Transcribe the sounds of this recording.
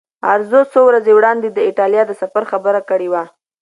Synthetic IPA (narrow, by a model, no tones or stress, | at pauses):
aɾzosowɾazewɽɑnd̪ed̪əiʈɑlijɑd̪əsafaɾxabəɾakəɽewa